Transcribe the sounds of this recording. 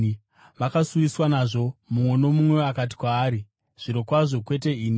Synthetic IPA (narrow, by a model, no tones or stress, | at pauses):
ʋakasuʋiswanaʐo̞mumwe̞no̞mumwe̞akat̬i̥kwaːɾi | ʐ̥iɾo̞kwaʐo̞kwe̞t̬e̞iːni